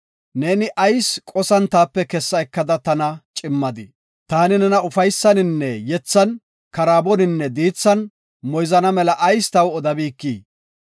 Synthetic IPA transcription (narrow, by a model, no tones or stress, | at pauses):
neːnɪʔɐjskʼɔsɐnt̪aːpːɛkɛsːɐɛkːɐd̪ɐt̪ɐnɐt͡ʃʼɪmːɐd̪ɪ | t̪aːnɪnɛnɐʊfɐjsːɐnɪnːɛjɛt͡sːɐn | kɐɾaːbɔnɪnːɛd̪iːt͡sːɐn | mɔjzɐnɐmɛlɐʔɐjst̪ɐwɔd̪ɐbiːkːiː